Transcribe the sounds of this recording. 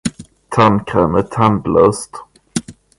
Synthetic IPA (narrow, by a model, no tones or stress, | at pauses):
t̪ʰankʰɾɛːmət̪ʰand̪lœːst̪